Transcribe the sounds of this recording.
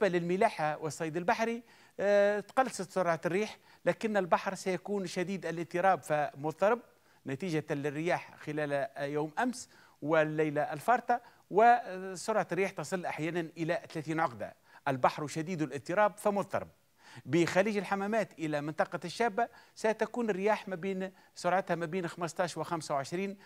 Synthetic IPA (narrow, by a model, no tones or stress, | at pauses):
balɪlmɪlaːħawɪsˤːɑjːd̪ɪlbaħɾi | t̪qɑlːsɑt̪sʊɾʕarːiːħ | læːkɪnːɪlbɑħɾˤsæjækuːnʃæd̪iːd̪ælɪt̪ːɨɾˤɑːbfimʊðˤt̪ːɑɾˤɪb̚ | næt̪iːʒalɪrːɪjaːħxɪlæːljaːmʔæms | wɪlːæjlaʔɪlfɑɾˤt̪ˤɑ | wɪsʊɾʕɑt̪ɾːiːħt̪ɑsˤɨlːʔaħjæːnanʔɪlæt̪alæːθiːnʕʊqd̪a̰ | ʔɪlbaħɾʃæd̪iːd̪ʊlʔɪt̪ːɨɾˤɑːbfimʊðˤt̪ːɑ̰ɾˤɪ̰b̚ | bɪxæliːʒɪlħamæmæːt̪ʔɪlæmɪnt̪ˤɑqɑʃːæːbːasæt̪ækuːnɪrːɪjaːħmæbeːn | sʊɾʕɑt̪hæmæbeːnxaməst̪ˤɑːʃwɪxamsawʕɪʃɾiːn